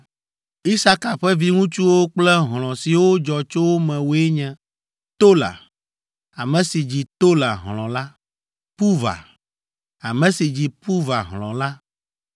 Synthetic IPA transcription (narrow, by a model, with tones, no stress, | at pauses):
i˦sa˦ka˨ɸɛ˦vi˦ŋũ˦t͡ʃu˦wo˦k͡plɛ˦ɦl̃ɔ̃˨si˨wo˦d͡ʒɔ˨t͡ʃo˦wo˦mɛ̃˨wo˨e˦ɲɛ̃˨ | t̪o˦la̰˨ | a˨mɛ̃˨si˨d͡ʑi˨t̪o˦la˨ɦl̃ɔ̃˨la˦ | pu˦va̰˨ | a˨mɛ̃˨si˨d͡ʑi˨pu˦va˨ɦlɔ̰̃˨la˦